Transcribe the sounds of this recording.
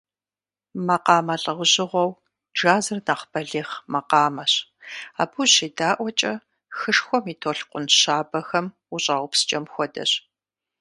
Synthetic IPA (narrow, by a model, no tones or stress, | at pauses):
mɐqɑːmɐɬʼɐʁʷʊʑɪʁʷɔw | d͡ʒaːzɨrnaːχbɐɮiːχmɐqɑːmɐɕaːbuɕiːdaːʔʷɔt͡ʃʼɐ | xɨʂxʷɔmiːtʰoːɬqʷʊnɕaːbɐxɐm | ʊɕʼaːwʷʊpst͡ʃʼɐmxʷɔdɐ̰ɕ